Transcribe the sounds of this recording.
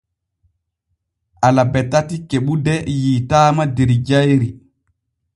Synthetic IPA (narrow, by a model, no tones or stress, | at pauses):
ʔalabɛtːatikeɓudɛjitaːmadeɾid͡ʒajɾi